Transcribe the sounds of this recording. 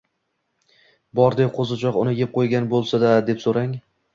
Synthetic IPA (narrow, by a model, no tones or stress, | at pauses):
bɒɾd̪eqʰozɪt͡ʃʰɒqʊnɪjep̚qʰojɡʲanbolˠsad̪ad̪e̞psoɾaŋ